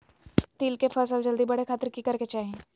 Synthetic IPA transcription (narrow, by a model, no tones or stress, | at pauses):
t̪iːlkefɐːsəld͡ʒɐld̪ibɐɽexʰaːt̪ɪɾkikɐɾket͡ʃaːɦẽ